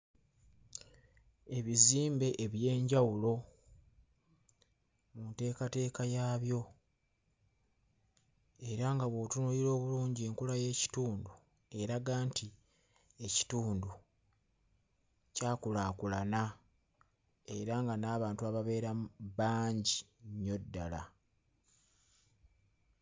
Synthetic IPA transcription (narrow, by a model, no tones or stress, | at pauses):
e̞βiziːmbe̞ʔeβje̞ːɲɟawulo̞ | munte̞ːkate̞ːkajaːβjo̞ | e̞ɾaŋɡaβo̞tunuilo̞ːβuluːɲɟieːŋkulaje̞ːci̥tuːndu | e̞ɾaɡaːntʰi | e̞ci̥tuːndu | caːkulaːkulana | e̞ɾaŋɡanaːβaːntuaβaβe̞ːɾaβaːɲɟiɲːo̞dːala̰